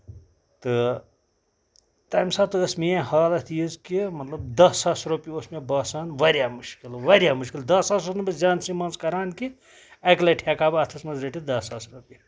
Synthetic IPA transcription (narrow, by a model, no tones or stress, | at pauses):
t̪ɨ | t̪ɐːjmsaːt̪ɨəsmehaːlɐt̪ʰjizkimɐt̪lɐbd̪ɐsɐsɾupiosmebɐːsaːnʋɐɾjaːmuʃkilʋɐɾʲjaːmuʃkild̪ɐsasɾɐt̪nɐbɐd͡ʒaːnsimãːnskɐɾaːnki | ɐklɐʈʰakaːbɐt̪ʰɐsmɐzɾeʈid̪ɐsasɾupi